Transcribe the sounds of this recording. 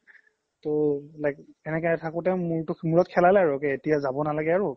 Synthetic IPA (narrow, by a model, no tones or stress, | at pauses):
tolajkɛnɛkaɛtʰakʊtɛmuɹtʊmuɹɔt̚kʰɛlalɛaɹukɛetijazabɔnalaɡɛaɹu